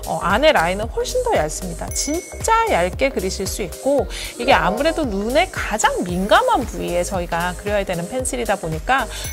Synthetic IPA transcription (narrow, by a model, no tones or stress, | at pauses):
ʌ̰ʔane̞ɾainɯnɸoɭɕ͈ʰindʌjaɭs͈ɯmɲida̰t͡ɕin | t͡ɕ͈ajaɭk͈e̞kɯɾiɕʰiɭs͈uik̚k͈oiɡe̞amuɾe̞donune̞kad͡ʑaŋminɡamanpuie̞t͡ɕʌiɡakɯɾjʌjadwe̞nɯnpʰe̞nsʰiɾidaboɲik͈a